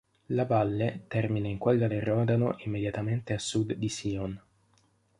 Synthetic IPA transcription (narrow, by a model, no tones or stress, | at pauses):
lavalːet̪ɛrminaiŋkwelɡalerɔːd̪ano̰ʔimːed̪jat̪ament̪easːud̪ːisiːɔn